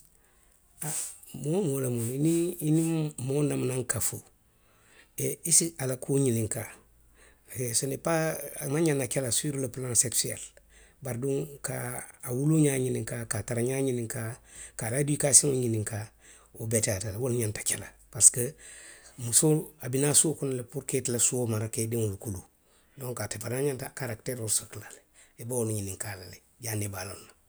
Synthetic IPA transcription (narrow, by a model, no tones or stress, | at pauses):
amomolamoiniinimonamnaŋkafu | eisialakʰuɲiniŋka | esonipamaɲanakelasuiɾulaplãŋseksuḛl | baɾduŋkaːwuluɲaɲiniŋkakataɾaɲaɲiniŋkakaɾaduikasiŋuɲiniŋka | obetatalwolɲantḁkelapaɾskə | musoabinasuokunalepuɾketilasuomaɾakediŋulkulu | dõŋkatepanaɲantakaɾakteɾuɾsoklale | ebaunuɲiniŋkalale | ɟanebalona